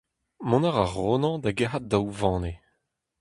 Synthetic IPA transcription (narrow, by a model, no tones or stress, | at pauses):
mɔ̃naʁaʁoːnɑ̃d̪aɡeɦat̚dawvɑ̃ːne